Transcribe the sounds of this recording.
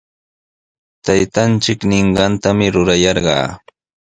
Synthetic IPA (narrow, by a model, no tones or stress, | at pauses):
t̪ajt̪ant͡ʃɪknɪɴɢɑnt̪amɪɾʊɾajɑɾɢɑ̰ː